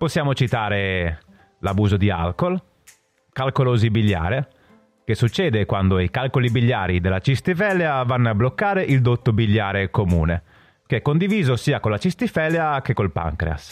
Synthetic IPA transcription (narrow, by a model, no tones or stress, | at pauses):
posːjaːmot͡ʃit̪aːɾe | labuːzod̪ia̰lkol | kalkoloːzibiʎːa̰ːɾe | kesːut͡ʃːɛːd̪ekwand̪oikalkolibiʎːa̰ːɾid̪elːat͡ʃist̪ifɛlːeavanːablokːaːɾeʔild̪ot̪ːobiʎːaːɾekomṵːne | keɛkːond̪iviːzosiːakolːat͡ʃist̪ifɛleakekːolpa̰ŋkɾḛa̰s